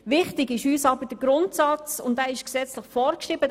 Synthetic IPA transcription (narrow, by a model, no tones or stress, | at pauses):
ʋɪχtɪɡɪʃyːsɑbəd̥əɡ̥ɾʊntsɑt͡sʊ̰ndæɪʃksɛt͡sləχfɔːɾkʃʁiːbə